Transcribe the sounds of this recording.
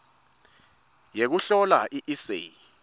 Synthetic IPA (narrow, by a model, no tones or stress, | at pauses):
jek̬uɬɔlaʔiʔisḛ